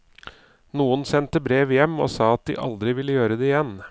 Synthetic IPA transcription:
nuːənsɛnt̪əbɾeːʋjɛmːo̰ːsɑːɑt̪̚d̪ɪ̰ʔɑ̰ld̪ɾɪʋɪlːəjøːɾəd̪ɛɪjɛn

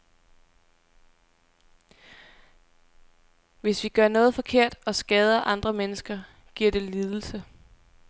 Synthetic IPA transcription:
ʋe̝sʋiɡ̥ɶɐ̰nɔ̽ːð̞̩ˠfɒ̽kʰe̝ɐ̰d̥ɒ̽sɡ̥ɛːð̞ˠɐʔɑ̈nd̥ʁɐmenəsɡ̥ɐ | ɡ̥iɐ̰d̥e̝liːð̞ˠl̩sə

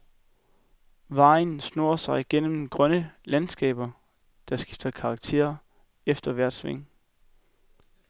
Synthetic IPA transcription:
ʋɑ̈ɪn̩sno̝ɐsɑ̈ɪɡ̥en̰m̩ɡ̥ʁɶnəlænsɡ̥ɛ̰ːb̥ɐ | d̥ɑ̈sɡ̥ifd̥ɐkʰɑ̈ɡ̥̚t͡sʰe̝̰ːɐ | efd̥ɐʋæɐ̰d̥sʋeŋ̰

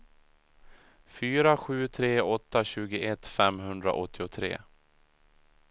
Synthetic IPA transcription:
fyːɾaɧʉ̟ːt̪ʰɾeːɔt̪ːaɕʉ̟ːɡəʔɛt̪fɛmɦɵnd̪ɾa̰ʔɔt̪ʰːɪʊt̪ʰɾḛː

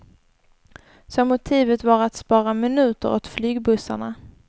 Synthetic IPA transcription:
sɔmʊt̪ʰiːvət̪vaɾat̪spɑːɾamɪnʉ̟ːt̪ə̰ɾɔ̰t̪flyːɡbɵsa̰ɳa̰

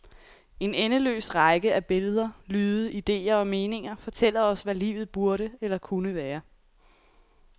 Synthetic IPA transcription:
e̝nenəlø̰ːsʁɑ̈ɪɡ̥əæb̥e̝ləð̞ˠɐlyːðˠəid̥e̝̰ːɐɒ̽me̝ːne̝ŋɐfɒ̽t͡sʰel̰ɐɒ̽sʋælḭːʊð̩ˠb̥uɐɾəelɐkʰunəʋæːɐ

